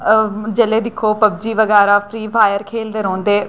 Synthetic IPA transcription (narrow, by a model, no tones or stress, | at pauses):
d͡ʒəleːd̪ɪkʰoːpəbd͡ʒiːʋəɡɛːɾaːpʰɾiːʋʰaːjəɾkʰeːld̪eːɾɔ̃ːnd̪eː